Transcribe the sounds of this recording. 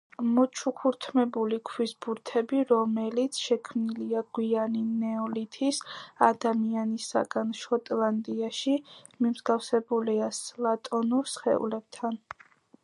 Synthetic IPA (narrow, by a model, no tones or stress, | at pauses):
mɔt͡ʃʰukʰuɾt̪ʰmɛbulikʰwisbuɾt̪ʰɛbiɾɔmɛlit̪sʰʃɛkʰmniliaɡ̥wianinɛɔlit̪ʰisad̪amianisa̰ɡanʃɔt̪ʼlˠand̪ʼiaʃi | mimzɡafsɛbuliaslat̪ʼɔnuɾsχɛ̰ṵlɛb̥̚t̪ʰan